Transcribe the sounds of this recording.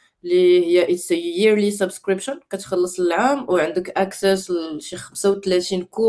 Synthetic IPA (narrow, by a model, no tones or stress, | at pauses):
lihəjːæʔət̪sjiɾlisəbskɾəbʃənkæt̪xɑlːəsˤləlʕamwʕənd̪əkʔæksæsʃixæmsawt̪læt̪inku